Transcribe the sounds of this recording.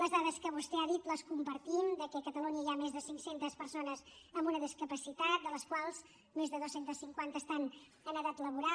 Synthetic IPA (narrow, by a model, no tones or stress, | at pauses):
ləzðaðəskəβust̪ɛaðit̪ləskumpəɾt̪imd̪əkɛkət̪əluɲəiamezðəsiŋsent̪əspəɾsonəz | əmbunəðiskəpəsit̪at̪̚d̪ələskwalˠz̥ | mezðəðosent̪əsiŋkwant̪əːst̪an | ənəðat̪ləβuɾa